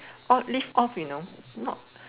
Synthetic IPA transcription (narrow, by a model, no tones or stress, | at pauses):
ʔɔlifɔfjunonɔ̰t̚